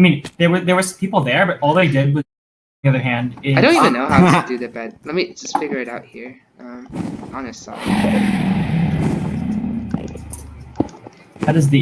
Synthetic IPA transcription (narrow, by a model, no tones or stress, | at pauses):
aɪmĩnðə˞wə˞ðə˞wə˞sʌ̃mpʰipl̩ˠðə˞bʌɾʔɔlˠðeɪdɪd̚wʌ | iʌðə˞ɦæ̃ndɪɪdõʊ̃ntivɨ̃nːoʊhaʊdɨðɨt̚b̥ɛd̚lɛt̚mid͡ʒʌstfɪɡjə˞ɨɾaʊt̚hiɹ | ʌ̃ɑnɨst | ðəɾɨzði